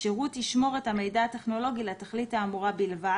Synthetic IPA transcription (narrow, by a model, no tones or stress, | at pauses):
ʃeʁutiʃmo̞ʁe̞thame̞jdaːteχno̞lo̞ɡilataχlithaːmuʁabilva